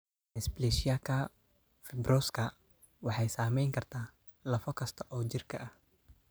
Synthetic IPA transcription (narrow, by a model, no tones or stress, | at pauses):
ʔɛsblɛʃɪjɐkʰɐ | fɛbrɔskʰɐ | wɑħɑjsaːmɛjŋkʰɐrt̪ʰaː | lɐfɔkʰɐst̪ʰɔʔɔːt͡ʃɪrkʰɐʔɐh